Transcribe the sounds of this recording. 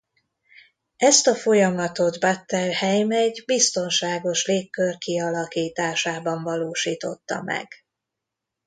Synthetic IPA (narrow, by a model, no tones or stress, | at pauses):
ɛst̪ɒfo̞jɒmɒt̪o̞d̪bat̪ːɛlhɛjmɛɟbist̪o̞nʃaːɡo̞ʃleːkːørkiɒlɒkiːt̪aːʃaːbɒɱvɒloːʃiːt̪o̞t̪ːɒ̰mɛ̰ɡ̥